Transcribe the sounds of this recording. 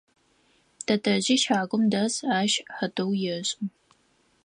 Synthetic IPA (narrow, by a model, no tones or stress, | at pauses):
d̥ʰɐtʰɐʑɪʃaːɡʷʼʊmdɐzaːʃħədɨwjɪɕʼɪm